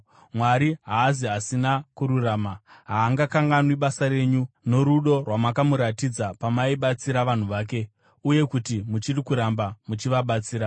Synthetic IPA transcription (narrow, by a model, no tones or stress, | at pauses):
mwaɾiɦaːziasinakuɾuraːmaɦaːŋɡakaŋɡanwiɓasare̞ːɲuno̞ɾuɗo̞rwamakamuɾatid͡zapamaiɓat͡siɾaʋan̤uʋaːke̞ | uje̞kutimut͡ʃirikuɾambamut͡ʃiʋaɓat͡siːɾa